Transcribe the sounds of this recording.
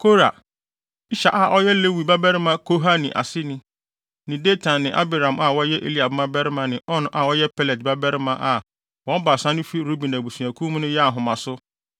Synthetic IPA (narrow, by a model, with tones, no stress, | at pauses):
kʰo˦ɾa̰˨ | i˦ɕa˨ʔa˨ʔɔ˦jɛ˦le˦wi˨ba˦bɛ˦ɾɪ˦mã˦kʰo˦ɦa˦nɪ̃˨ʔa̰˨sɪ˦nɪ̃˦ | nɪ̃˨de˦tʰã˨nːɪ̃˨ʔa̰˦bi˨ɾã˨ma˨wɔ˦jɛ˦ʔḛ˦li˦a˨bmã˦bɛ˦ɾɪ˦mã˨nɪ̃˨ʔɔ˦ñ˦ʔa˨wɔ˦jɛ˦pʰɛ˦lɛ˨dba˦bɛ˦ɾɪ˦mã˦˨ʔa˨ | wɔ̃˨˦m˦ba˨sã˦nʊ̃˦fi˦ɾu˦bi˨na˨bu˨sũ˨æ˨kʰũ˦m̃˦nʊ̃˦jɛ˦a˨ɦʊ̃˨mã˨sʊ˦